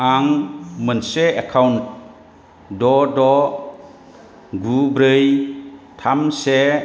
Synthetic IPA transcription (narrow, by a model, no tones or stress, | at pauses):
aŋmənseekʰawnt̚ | dɔdɔ | ɡubɾɯjtʰamse